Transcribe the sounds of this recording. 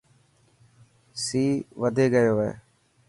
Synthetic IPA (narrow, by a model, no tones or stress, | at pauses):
siːʋəd̪ʱeːɡəjoːʋḛː